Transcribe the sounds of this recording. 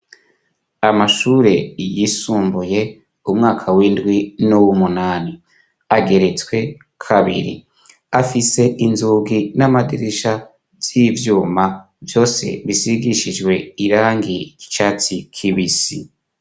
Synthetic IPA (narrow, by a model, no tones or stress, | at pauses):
amaʃuːɾe̞jisuːmbuje̞ | umŋaːkʰawiːndɡwinuwumunaːni | aɡe̞ɾe̞t͡skwe̞ | kʰaβḭɾḭ | afise̞ʔinzuːɡinamadiɾiʃa | z̥ivjuːma | vjo̞ːse̞̰βisiɡiʃid͡ʒɡwe̞iɾaːŋɡici̥t͡ʃat͡sikʰiβisḭ